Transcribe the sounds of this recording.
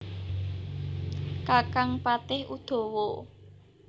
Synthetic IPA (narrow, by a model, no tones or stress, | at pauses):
kakaŋpat̪ɪhʔud̪̥o̤wo